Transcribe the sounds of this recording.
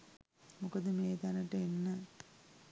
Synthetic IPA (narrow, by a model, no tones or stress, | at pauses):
mukɐd̪əmeːd̪anɐʈəenːə